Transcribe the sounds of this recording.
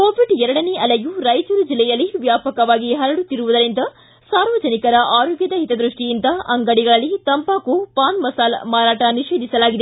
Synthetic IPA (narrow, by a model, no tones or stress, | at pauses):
ko̞ːʋiɖɛɾɐɽɐneʔɐlejuɾɐjd͡ʒɐɾud͡ʒilːɛjɐlːiʋjaːpɐkɐʋaːɡiɦɐɾɐɽut̪ːiɾuʋud̪ɐɾind̪ɐ | saːɾʋɐd͡ʒɐnikɐɾɐʔaːɾoːɡjɐd̪ɐɦit̪ɐd̪ɾuʂʈijind̪ɐʔɐŋɡɐɽiɡɐɭɐlːit̪ɐmpaːkupaːnmɐsaːlmaːɾaːʈɐniʂeːd̪ʱisɐlaːɡid̪e